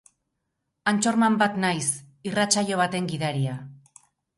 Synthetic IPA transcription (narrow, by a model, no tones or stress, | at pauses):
ant͡ʃo̞ɾmambat̪najs | irat͡saʎo̞β̞at̪e̞ŋɡiðaɾia